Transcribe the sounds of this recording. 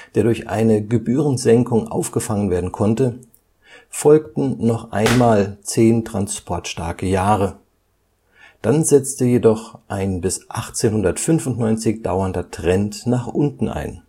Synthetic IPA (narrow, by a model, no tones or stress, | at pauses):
d̥eːɐdʊɐçʔa̰ɪnəɡəbyːʁən̩zɛŋkʊŋʔa̰ʊfɡ̥əfaŋənveːɐdn̩kʰɔntə | fɔlk̚tn̩nɔχʔa̰ɪnmaːlt͡seːntʁ̥anspʰɔɐtʃtaɐkəjaːʁə | d̥anzɛt͡stəjedɔχʔaɪnbɪsʔaχt͡seːnhʊndɐtfʏnfʊntnɔʏnt͡sɪçd̥a̰ʊɐndɐtʁ̥ɛntnaːχʔʊntn̩a̰ɪn